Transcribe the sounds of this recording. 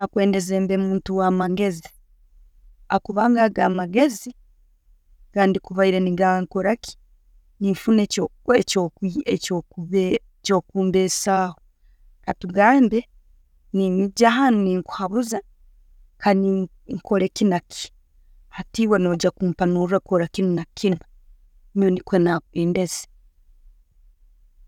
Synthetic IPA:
akwe̞ːndezeːmbemuːntuwaːmaɡe̞zi | akuβaːŋɡaɡaːmaɡe̞zi | kaːndikuβaiɾeniɡaŋkoɾaki̥ | niɱfunecoecokiecokuβe | co̞ːkuːmbeːsaːho | katuɡaːmbe | ninɟahanuniŋku̥haβuza | kani | ŋkoɾekinakʰi̥ | hatiwanoːɟakumpanuɾakoɾakinunakʰina | monikwenaeːndeze̥

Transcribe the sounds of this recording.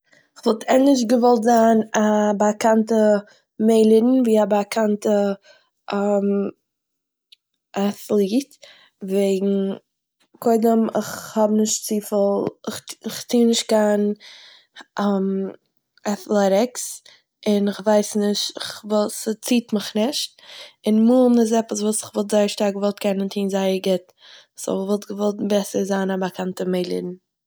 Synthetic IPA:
ɪχvɔlˠtʰɛnlɪʃ̬ɡəvɔlˠtzaːnabakantə | meɪlˠiɾn̩viːabakʰantə | am | aθlˠiːt | veɪɡŋ̩ | kʰɔɪdəmɪ̰χhɔbnɪʃtt͡siːfəlˠɪχɪχt͡siːnɪʃt̚kaːn | m | aθlˠɛɾɪks | ɪnɪχvaɪsnɪʃtɪχvɔlsət͡siːtməχnɪʃt̚ | ɪnmuːlˠnɪs̬ɛpəs̬vuːsɪ̥χvɔlˠtz̥aɪəɾʃtaɾɡəvɔlˠtkʰɛnəntʰiːnzaɪəɾɡɪtː | sɔ̰vɔlˠtɡəvɔlˠtbɛsəɾzaːnabakʰantəmeɪlˠḭɾn̩

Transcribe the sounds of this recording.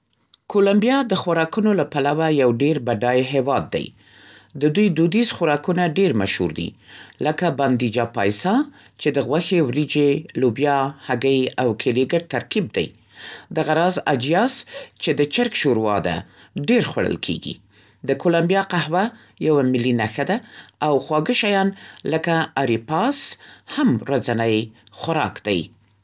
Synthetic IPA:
kolambjɑd̪əxwaɾɑkunolapalawajawɖeɾbaɖɑjɦewɑd̪ːa̰j | d̪əd̪ujd̪ud̪izxʊɾɑkunaɖeɾmaʃhṵɾd̪ḭləkaband̪id͡ʒɑpa̰jsɑ | t͡ʃed̪əɣwaxewɾid͡ʒelubjɑhaɡəjawkʰeliɡəʈ̚t̪aɾkib̚d̪a̰j | d̪aɣaɾɑza̰d͡ʒjɑst͡ʃed̪ət͡ʃɪɾkʃoɾwɑ̰d̪a̰ | ɖeɾxwa̰ɽə̰lkʰḛɡḭ | d̪əkolambijɑqahwa | jawamɪlinaxad̪aawxwɑɡəʃajɑnləkaaɾipɑshamɾazanəjxaɾɑ̰kd̪a̰j

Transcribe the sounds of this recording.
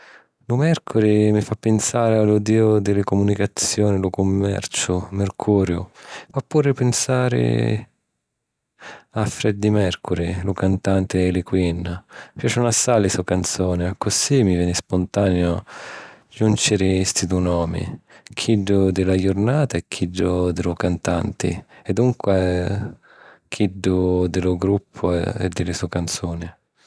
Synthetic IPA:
lʊmɛrkʰʊɾɪmifapːɪnsaːɾɪalud̪iːʊd̪ɪlɪkʊmunikat̪sjɔːnɪlʊkʊmːɛ̰rt͡ʃʊmerkʰuːɾjʊ̰fapːuːɾɪpɪnsaːɾɪ̰ | afɾɛd̪ːimɛrkuɾɪlʊkant̪ant̪ɪːlɪkwinːapjaːt͡ʃʊnasːaːlɪsuakant̪sɔːnɪakːʊsimivjɛːnɪspʊnt̪aːnjʊ | d͡ʒunt͡ʃɪɾɪst̪id̪unɔːmḭkʰiɖːʊd̪ɪlajʊɾnaːt̪aɛkʰːiɖːʊd̪ɪlʊkant̪ant̪ɪ̰ɛd̪uŋkwɛ | kʰiɖːʊd̪ɪlʊɡɾupʰːʊ̰ɛ̰d̪ːɪlɪsukant̪sɔːnɪ

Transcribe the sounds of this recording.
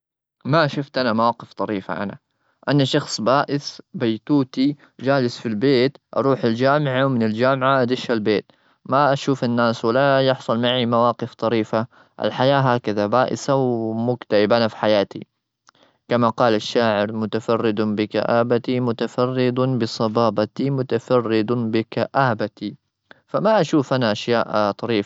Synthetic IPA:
maʃʊft̪ʔanamawaːqɪft̪ˤɑɾiːfa̰ʔa̰na̰ | ʔanaʃɑxsˤbaːʔɪsbajt̪uːt̪i | d͡ʒaːlɪsfilbeːt̪ʔɑ̰ɾˤuːħald͡ʒaːmʕawmɪnɪld͡ʒaːmʕaʔad̪ɪʃalbeːt̪ | maʔaʃuːfanːaːswalajɪħsˤʊlmaʕimawaːqɪft̪ˤɑɾiːfa | ʔɪ̰lħajaːɦaːkaðabaːʔɪ̰sawmʊkt̪aʕɪbʔanafi̥ħajaːt̪ḭ | kamaqɑːlaʃːaːʕɪɾmʊt̪afɑrːɪd̪bɪka̰ʔaːbat̪imʊt̪afɑrːɪd̪bɨsˤɑbɑːbat̪imʊt̪afɑrːɪd̪bɪkaʔaːbat̪i | famaʔaʃuːfʔanaʔaʃjaːʔt̪ˤɑɾiːf

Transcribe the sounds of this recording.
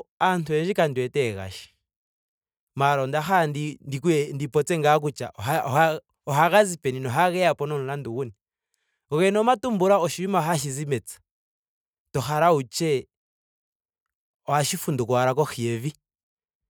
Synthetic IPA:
antuɛnd͡ʒikandwɛtɛɣa̰ʃi̥ | maɾɔndaxandindikuɛndipɔt͡sɛŋɡak̬ut͡ʃa̰ʔaa | ɔɦaɣazipɛninɔɦaɣɛjapɔnɔnunanduɣuni | ɔɣɛnɔmatumbuɾaɔʃiwimaɦaʃ̬izimɛt͡sḁ | tɔxaɾaut͡ʃɛ | ɔaʃifundukwaɾakɔxiɛvi

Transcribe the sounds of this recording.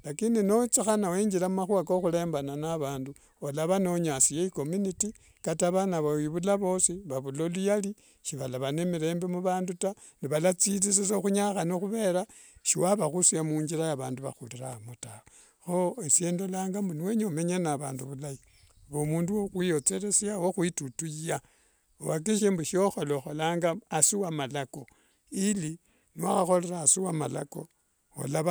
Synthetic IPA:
lakindino̞t͡sixanaweɲɟiɾamumaxuakoxule̞ːmbananaβaːndu | olaβanoɲasijeiko̞muniti | kataβanaβawiβulaβo̞siβaβulolujali | ʃiβalaβanemiɾe̞ːmbemuβaːnduta | niβalat͡silis̬isoxuɲaxanixuβe̞ɾa | ʃiwaβaxusiamuːɲɡiɾajaβaːnduβa̰xuliɾamutaa | xoesjeːndolaːŋɡambuniweɲomeɲanaβaːnduβulai | βomuːnduwoxwijot͡se̞ɾe̞sjawoxwitutuja | owak̬iʃ̬embuʃioxoloxolaːŋɡaasiwamalako̞ | ili | nwaxaxo̞le̞ɾaːsiwama̰la̰ko̞ | o̰la

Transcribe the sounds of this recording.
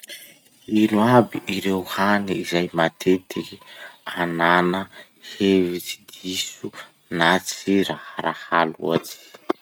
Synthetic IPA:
inuabiʔiɾewhaniizajmat̪ʰet̪ikiananə | hevit͡si̥d̪isu | nat͡siɾahɾahalṵat͡si̥

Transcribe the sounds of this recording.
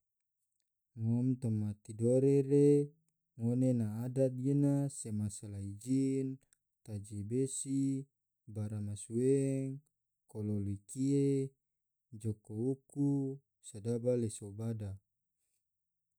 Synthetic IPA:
mɔmt̪ɔmat̪idoɾeɾe | ŋonenaːdat̪̚ɡenasemasalaid͡ʒin | t̪ad͡ʒibesi | baɾamasueŋ | kololikie | d͡ʒokouku | sadabalesobada

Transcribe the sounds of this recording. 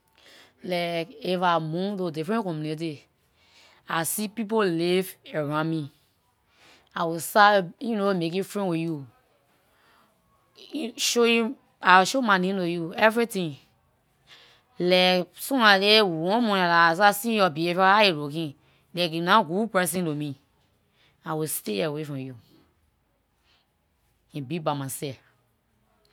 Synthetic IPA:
lɛkefamũtodifɹɛ̃nkɔ̃mjunit̬i | asipip̬oliveɾãmĩ | awisaiĩnomek̬ũfɹɛ̃nwiju | ʃoju | awiʃomanĩtojuɛvɹitĩ | lɛsũnalewɔ̃mɔ̃nalasasĩɔbiefaajeɾokĩ | lɛkunãɡupɹɛs̬ĩnlomĩ | awisteawefɔ̃mju | ĩbibamãsɛ

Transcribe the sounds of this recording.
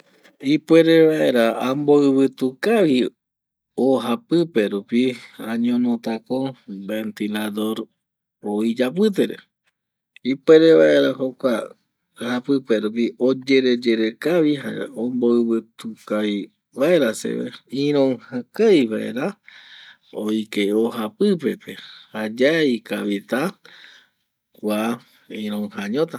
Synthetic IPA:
ipwe̞ɾeβaʔe̞ɾaamboɨβɨt̪ukaʋi | oɦapɨpe̞ɾupiãɲõnõt̪akobe̞nt̪ilad̪o̞ɾ | oid͡ʒap̬ɨt̪̬eɾḛ | ipweɾeβaeɾahokʷa | hapɨpeɾupiod͡ʒe̞ɾed͡ʒeɾe̞kaβiɦa̰õmboɨβɨt̪ukaj | βaeɾasḛβḛĩɾ̃õŋhãkajβaʔḛɾa | ojkeoɦapɨpe̞pe̞had͡ʒaikaβit̪a | wʷa | ĩɾõŋhãɲõt̪a

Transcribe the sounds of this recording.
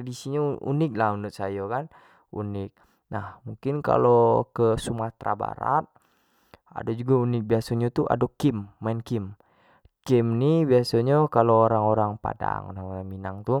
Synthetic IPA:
adisiɲaṵnɪk̚laɦunut̪̚sajokan | ṵnɪk̚ | nahmuŋkɪnka̰lokəsumaht̪ɾa̰ba̰ɾa̰t̪̚ | a̰dad͡ʒuɡaunɪk̚biasaɲat̪uʔa̰dokimːainkim | kimnibiasaɲakaloːɾaŋoɾaŋpa̰da̰ŋo̰ɾaŋoɾaŋminaŋt̪u

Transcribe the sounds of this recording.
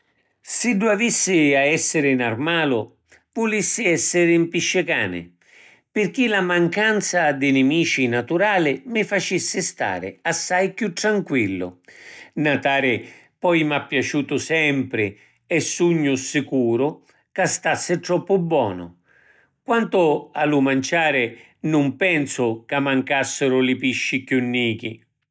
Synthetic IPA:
sɪdːuavisːɪaɛsːɪɾɪnarmaːlʊ | vʊlisːɪɛsːɪɾimpiʃːɪka̰ːnɪ̰ | pɪrk̟ilamaŋkant̪sad̪ɪnɪmiːt͡ʃinat̪uɾaːlɪmɪfat͡ʃisːɪst̪a̰ːɾɪ̰asːajkjut̪ːɾaŋkwilːʊ̰nat̪aːɾɪ | pɔjmapːjat͡ʃuːt̪ʊsɛmpɾɪ | ɛsːuɲːʊsɪkuːɾʊ | kast̪asːɪt̪ɾɔpːʊbːwɔ̰ːnʊ̰ | kwant̪ʊalʊmant͡ʃaːɾɪ | nʊmpɛnsʊkamːaŋkasːɪɾʊlɪpiʃːikjunːiːk̟i

